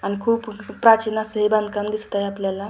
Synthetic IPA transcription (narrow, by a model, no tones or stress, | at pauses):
añikʰuːppːɾat͡ɕinasəɦibãnd̪kamd̪ist̪aeapljala